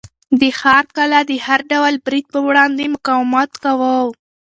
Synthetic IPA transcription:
d̪əxɑɾkalad̪əhaɾɖawalbɾid̪̚pəwɽɑnd̪emʊkɑwɪmɑt̪kawəw

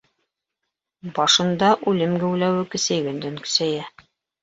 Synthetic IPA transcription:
bɑʃɤ̆nd̪ɑʔʉlɘmɡɘ̆wlæwɘkɘ̆sæ̆jɡɘ̆nd̪ɘŋkɵ̥̆sæjæ

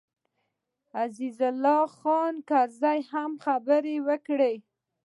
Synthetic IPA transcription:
azizʊlːɑxɑnkaɾzajhamxabəɾewəkɽe

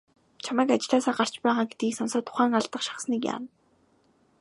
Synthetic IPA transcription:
t͡ɕʰamæːkat͡ɕɪ̆ɮaːsaːɢar̥t͡ɕpæːʁaːɡet̪̚ɡiːksɔnsɔːt̪ʰʊ̥χæːŋaɮt̪ə̆χʃḁχsniːkja̰ːn

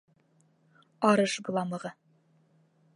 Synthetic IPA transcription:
ɑɾɤʃɡlˠɑmɤ̆ʁɤ

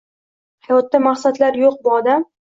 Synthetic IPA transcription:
hɑjɒt̪ːamaχsad̪laɾjoq̚bʊɒd̪am

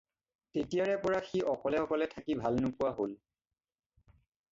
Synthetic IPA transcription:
tetijaɹɛpɔɹaxiʔɔkɔlɛɔkɔlɛtʰakibʱalnʊpuwaɦol

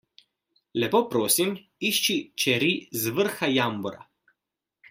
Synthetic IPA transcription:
lɛpoːpɾoːsim | iʃt͡ʃit͡ʃɛɾizʋəɾxajambɔɾa̰

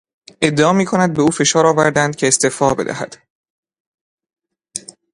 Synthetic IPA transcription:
ʔe̞d̪ːeɒːmiːkʰo̞næd̪̚beuːfe̞ʃɒːɾɒːvæɾd̪ænd̪̚cʰe̞ːst̪eːfɒːbe̞d̪æ̰hæ̰d̪̥

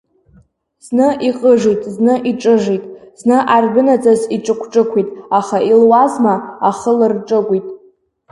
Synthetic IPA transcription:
z̥nɨʔiqʼəʐitʼznɨʔiʈ͡ʂʼɨʐitʼz̥nɨʔarbɨnad͡zʼaziʈ͡ʂʼɨkʷʰʈ͡ʂʼɨkʷʰitʼaχailwazmaaχəlɨrʈ͡ʂʼɨɡʷitʼ

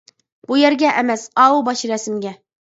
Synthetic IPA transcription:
b̥ujæɾɡʲæʔæmæsɒubɒɕĭɾæsɘ̆mɡʲæ

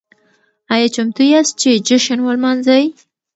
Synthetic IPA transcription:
ɑjɑt͡ʃamt̪ujas̚t͡ʃed͡ʒʊʃənwəlmɑnzaj

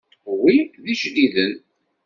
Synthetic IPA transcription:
wiðiʃliðən

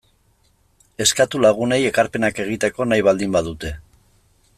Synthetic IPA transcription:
e̞skat̪ulaɣ̞une̞je̞kaɾpe̞nake̞ɣ̞it̪e̞ko̞najβald̪imbaðut̪e̞

